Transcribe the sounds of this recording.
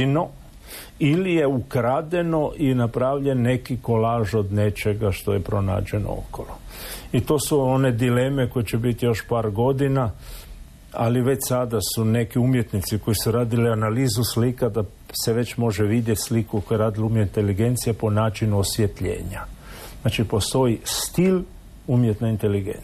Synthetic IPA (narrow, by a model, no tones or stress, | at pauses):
no̞ | ilije̞ukɾad̪e̞no̞ʔinapɾaːʋʎe̞nːe̞kiko̞laːʒo̞d̪ne̞t͡ʃe̞ɡaʃt̪o̞jepɾo̞na̰ːd͡ʒe̞no̰o̰koloit̪o̞ːsuone̞d̪ile̞me̞ko̞jet͡ɕebit̪ijo̞ʃpaːɾɡo̞d̪ina | a̰liʋe̞t͡ʃsad̪asune̞kiumjet̪nit̪siko̞jisuɾaːd̪ilianaliːzuslikad̪a | seʋe̞t͡ʃmo̞ʒeʋid̪jet̪ʲslikukojeɾaːd̪ilumjeint̪eliɡe̞nt̪sijapo̞naːt͡ʃinuosjet̪ʎḛːɲaznat͡ʃipo̞st̪o̞jist̪il | umjet̪naint̪eliɡḛn